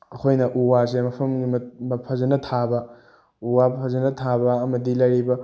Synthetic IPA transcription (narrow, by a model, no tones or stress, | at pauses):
ɐkʰojnɐʔuwas̬emɐpʰɐmɡimmɐpʰɐzɐnɐtʰabɐ | uwapʰɐzɐnɐtʰabɐːmɐdilɐjɾibɐ